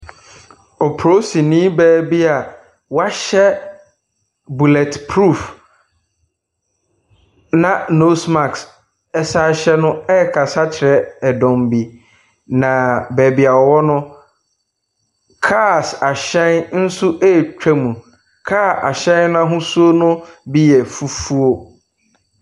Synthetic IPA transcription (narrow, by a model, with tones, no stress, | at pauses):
ɔ˨pʰo˦si˨nĩ˦bɛː˨bi˦a˨ | wa˦ɕɛ˦ | bu˨lɛ˨tpʰɾu˦˨f | nã˨no˦smã˨ks | ɛ˦sa˦ɕɛ˦nʊ̃˦ɛ˦˨kʰa˨sa˦t͡ɕʰɪ˨ɾɛ˦ɛ˨dɔ̃˨m˨bi˨ | nã˨bɛ˨bi˨a˨wɔ˨wɔ˦nʊ̃˦ | kʰa˦˨sa˨ɕɛ̃˦nn̩˦su˦ʔɛ˦˨t͡ɕᶣɛ˦mũ˨ | kʰa˦˨a̰˨ɕɛ̃˦nnã˦ɦʊ̃˦su˦o˦nʊ̃˦bi˦jɛ˨fu˨fu˦o˦